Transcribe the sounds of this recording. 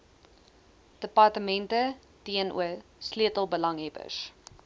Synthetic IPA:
d̥əpɐrtəmɛntə | d̥iənʔṵəsliətəlˠbəlɐŋɦɛbə̰s

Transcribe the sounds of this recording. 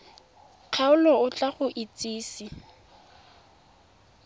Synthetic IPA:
q͡χʰaʊlɔʊt͡ɬʼaχʊʔit͡sʼiːsi

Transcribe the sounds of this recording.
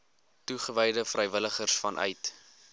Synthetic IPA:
tuχəvɛjdəfrɛjvələχərsfɐnʔœ̰jt

